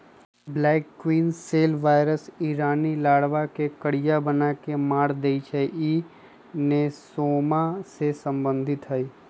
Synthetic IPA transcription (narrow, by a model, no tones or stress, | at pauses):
blɛːkːwiːnseːlʋaːɪɾəsiːɾaːnilaːɽʋakekəɽɪjabənakemaːɽd̪eit͡ʃʰəʔi | nesoːmasesə̃mbə̃nd̪ʱɪt̪ɦəiː